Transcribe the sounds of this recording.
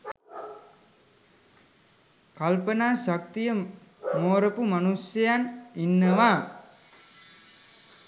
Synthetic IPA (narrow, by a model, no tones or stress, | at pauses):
kalpənaːɕak̚t̪ijə | moːɾəpumanusjəjaninːəʋaː